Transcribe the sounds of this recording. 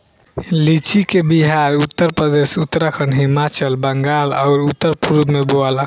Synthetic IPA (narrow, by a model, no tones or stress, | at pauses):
lit͡ʃikebiɦaɾut̪ːəɾpɾəd̪esut̪ːɾəkʰənɦimat͡ʃəlbəŋɡalaʊɾut̪ːəɾpuɾud̪meboala